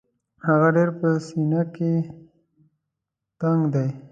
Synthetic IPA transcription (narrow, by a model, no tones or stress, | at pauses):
haɣaɖeɾpəsinake | t̪aŋɡd̪aj